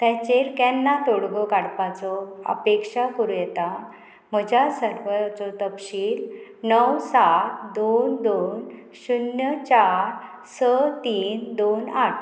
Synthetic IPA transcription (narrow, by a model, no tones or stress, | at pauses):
t̪ɛ̃t͡ɕeɾkɛ̃nːat̪oɽɡɔkaɽpat͡sɔə̰pekʂakəɾujɛt̪a | m̤əd͡ʑasəɾʋət͡sɔt̪əpɕiːlnəwsat̪d̪ond̪on | ɕunjət͡ɕaɾ | sət̪iːnd̪onaʈʰ